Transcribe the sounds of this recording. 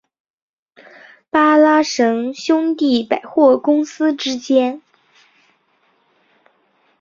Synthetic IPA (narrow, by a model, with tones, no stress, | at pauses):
pa˥la˥ʂɤ˧˥ŋɕjʊ˥ŋt̪i˥˩pa˨˩ɪxwɔ˥˩kʊ˥ŋsɹ̩˥ʈ͡ʂɻ̩˥t͡ɕjɛ˥n